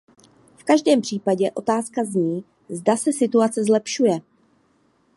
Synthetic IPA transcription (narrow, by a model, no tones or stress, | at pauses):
fkaʒdɛːmpr̝̥iːpaɟɛʔo̞t̪aːskazɲiː | zdasɛsɪt̪uat͡sɛzlɛpʃujɛ